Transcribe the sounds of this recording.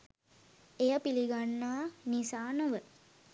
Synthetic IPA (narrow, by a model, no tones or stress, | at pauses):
ejəpiliɡanːaːnisaːnuʋə